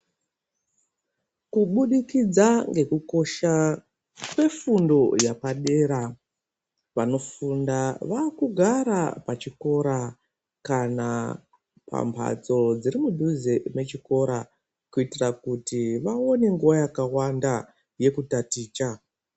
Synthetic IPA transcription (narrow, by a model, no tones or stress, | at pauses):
kuɓuɗikid͡zaŋɡe̞kuko̞ʃa | kwe̞fundo̞japaɗe̞ɾa | ʋano̞fundaʋakuɡʱaɾapat͡ʃiko̞ɾa | kana | pa̰mpʰa̰t͡so̞d͡ziɾimudʱuzeme̞t͡ʃiko̞ɾa | kuitirakutiʋao̞ne̞ŋɡuwajakawanda | je̞kutatiːt͡ʃa